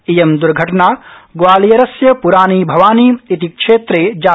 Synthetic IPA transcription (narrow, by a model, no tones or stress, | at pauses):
ijɐmd̪uɾɡʱɐʈɐnaːɡʋaːlijɐɾɐsjɐpuɾaːniːbʱɐʋaːniːit̪ikʂeːt̪ɾeːd͡ʒaː